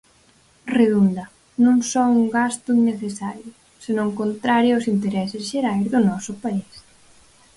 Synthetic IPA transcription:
reðund̪ɐ | nõŋsɔuŋɡast̪ʊneθesaɾjʊ | senõŋkont̪ɾaɾjʊosint̪eɾɛsɪsʃeɾajzðʊnɔsʊpais

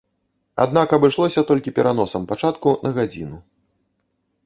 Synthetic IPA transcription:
a̰d̪̚nakɐbɨʂlˠɔsʲɐt̪ɔlʲkʲipʲɛɾʔanɔsɐmpat͡ʂat̪kunʔɐɣad͡zʲḭnu

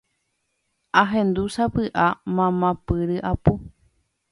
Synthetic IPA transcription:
aɦẽnd̪usapɨʔamãmãpɨɾɨʔapu

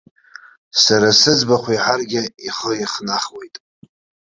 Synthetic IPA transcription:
saɾasɨd͡zbaχʷiħarɡʲɪiχəiχnaχwe̞jtʼ

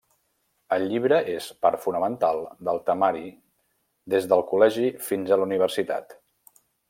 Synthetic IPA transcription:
əlˠʎːiβ̞ɾəʔespaɾfunəmənt̪alˠd̪əlˠt̪əmaɾi | d̪ezðəlˠkulɛʒifinzəluniβ̞əɾsit̪a̰t̪

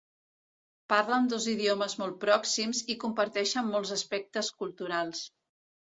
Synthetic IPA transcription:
paɾlənd̪oziðioməzmɔlˠt̪̚pɾɔksimzikumpəɾt̪ɛʃəmːɔlˠzəspɛk̚t̪əskulˠt̪uɾalˠs

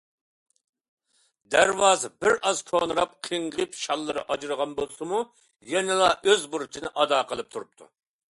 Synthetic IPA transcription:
d̪æɾwɑːzbɪɾʔɑzkʰonɨɾɑp̚qʰəɴʁɨpʃɑlˠːɨɾɨʔɑd͡ʒɾəʁɑnbolˠsɨmu | jɛnɪlˠɑʔøzbuɾt͡ʃʰinɨʔɑd̪ɑːqʰəlˠɨp̚t̪ʰuɾup̚t̪ʰṵ

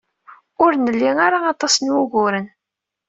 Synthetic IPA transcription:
ʊɾnəlːiŋaɾaɑt̪ˤɑsənwuʝʊɾən

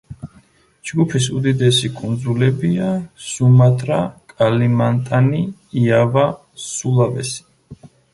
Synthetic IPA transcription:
d͡ʒɡupʰisud̪id̪ɛsikʼund̪zulɛbiasumat̪ʼɾakʼalimant̪ʼaniːava | sulˠavɛ̰si̥

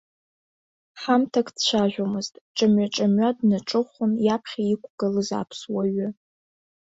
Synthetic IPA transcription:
ħamtʰakʰʼdt͡ʃʷaʒᶣʷomɨztʼt͡ʃʼamɥaʈ͡ʂʼamɥadnaʈ͡ʂʼɨχʷʊnjapʰχʲaikʷʰʼɡ̥ɨlɨza̰pʰswaɥʊ

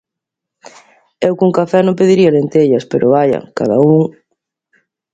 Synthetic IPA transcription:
ewkuŋkafɛnõmp̬eðiɾiɐlent̪eʎɐspeɾʔʊβajɐ̰kaða̰uŋ

